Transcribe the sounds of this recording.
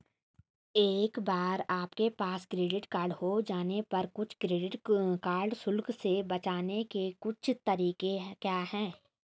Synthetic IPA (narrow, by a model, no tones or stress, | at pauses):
eːkbaːɾaːpkepaːskɾeːɖɪʈkaːɾɖhod͡ʒaːnepɐɾkʊt͡ʃʰkɾeːɖɪʈkaːɾɖsʊlksebɐt͡ʃaːnekekʊt͡ʃʰt̪ɐɾiːkekjaːɦɛ̃ː